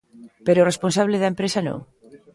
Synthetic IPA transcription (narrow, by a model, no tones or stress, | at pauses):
peɾoresponsaβ̞leðɐempɾesanõ̰ŋ